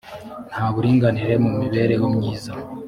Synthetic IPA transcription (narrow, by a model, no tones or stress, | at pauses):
n̥haːβuɾiːŋɡaniɾe̞mumiβe̞ːɾe̞jomɲiːza